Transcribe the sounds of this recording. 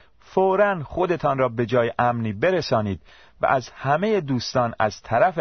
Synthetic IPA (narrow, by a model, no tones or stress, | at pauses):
foːɾænχo̞d̪et̪ʰɒːnrɒːbe̞d͡ʒɒːjeʔæmniːbe̞ɾesɒːniːd̪̥ | væ̰ʔæzhæme̞jed̪uːst̪ɒːnæzt̪ʰæɾæfe